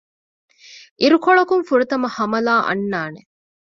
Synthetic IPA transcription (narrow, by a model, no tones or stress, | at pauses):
ʔiɾukoɭɐkuŋfuɾɐt̪ɐmɐhɐmɐlaːʔɐ̰nːaːne